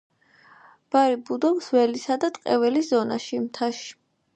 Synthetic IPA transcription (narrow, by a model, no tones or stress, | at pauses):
b̥aɾibud̪ɔɡsvɛlisad̪at̪ʼqʼɛvɛliszɔna̰ʃimt̪ʰaʃi̥